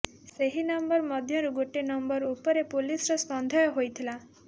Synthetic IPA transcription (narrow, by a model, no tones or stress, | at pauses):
seɦinɔmbɔɾmɔd̪ʱjɔɾuɡoʈenɔmbɔɾupɔɾepulisɾɔspɔnd̪ʱɔjɔɦojt̪ʰila